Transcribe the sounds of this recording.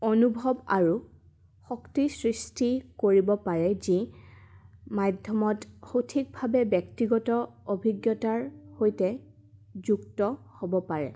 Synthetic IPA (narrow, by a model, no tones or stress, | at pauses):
onubʱɔbaɹu | xɔktisɹistikoɹibɔpaɹɛzi | madʱjɔmɔtxotʰik̚bʱabɛbjɛktiɡɔtɔobʱiɡjɔtaɹhojtɛ | zuktɔhobɔpaɹɛ̰